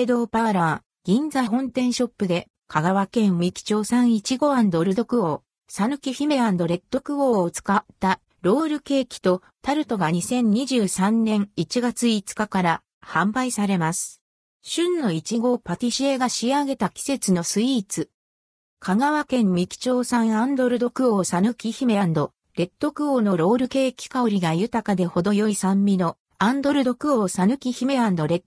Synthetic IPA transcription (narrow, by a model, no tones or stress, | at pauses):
ed̪o̞ːpaβaɾa | ɡ̥ʲĩnd͡zaɦõ̞nt̪ẽ̞ɰ̃ɕo̞pːɯ̟d̪e̞ | kʰaɡaβakẽ̞ɰmikʲi̥t͡ɕo̞ːsãɰ̃it͡ɕiɡo̞ãnd̪o̞ɾɯ̟d̪o̞kɯ̟o̞ː | sanɯ̟kʲiçime̞ɾãnd̪o̞ɾe̞t̪ːo̞kɯ̟o̞ːt͡sɨ̥katːa | ɾo̞ːɾɯ̟ke̞ːkʲi̥t̪o̞ | t̪aɾɯ̟t̪o̞ɡaɲ̟isẽ̞ɲ̟ɲ̟iʑɨːsãnːẽ̞ŋit͡ɕiɡat͡sɨit͡sɨ̥kakaɾa | hãmbaisaɾe̞masɨ̥ | ɕɨ̃nːo̞it͡ɕiɡo̞pat̪ʲiɕieɡaɕiaɡe̞t̪akʲi̥se̞t͡sɨno̞sɨiːt͡sɨ | kʰaɡaβakẽ̞mmʲikʲi̥t͡ɕo̞ːsãɰ̃ãnd̪o̞ɾɯ̟d̪o̞kɯ̟o̞ːsanɯ̟kʲiçime̞ɾãnd̪o̞ | ɾe̞t̪ːo̞kɯ̟ono̞ɾo̞ːɾɯ̟ke̞ːkʲi̥kao̞ɾʲiɡajɯ̟t̪akad̪e̞ho̞d̪o̞jo̞isãmːʲino̞ | ãnd̪o̞ɾɯ̟d̪o̞kɯ̟o̞ːsanɯ̟kʲiçime̞ɾãnd̪o̞ɾe̞